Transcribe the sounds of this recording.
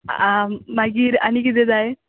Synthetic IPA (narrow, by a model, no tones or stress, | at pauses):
amaɡiːɾanik̬it̪̬ɛd͡zaj